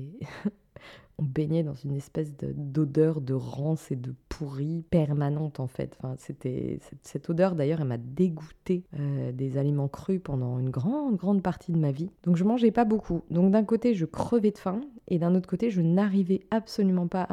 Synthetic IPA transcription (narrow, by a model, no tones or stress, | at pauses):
ɔ̃beɲɛd̪ɑ̃zynɛspɛs̬d̪ə̰d̪od̪œʁd̪əʁɑ̃sed̪əpʰuʁipɛʁmanɑ̃t̪ɑ̃fɛ̰t̪ɑ̥̃fɛ̃set̪ɛ̰sɛsɛt̪od̪œʁd̪ajœʁɛlmad̪eɡut̪eød̪ezalimɑ̃kχypɑ̃d̪ɑ̃ynɡʁɑ̃d̪ɡʁɑ̃d̪̚paʁt̪ʰid̪əmavid̪̥ɔ̃kʒəmɑ̃ʒɛpabokʰud̪ɔ̃k̚d̪ɛ̃kot̪eʒəkχəvɛd̪əfɛ̃ed̪ɛ̃not̪χəkot̪eʒənaʁivɛapsolymɑ̃pa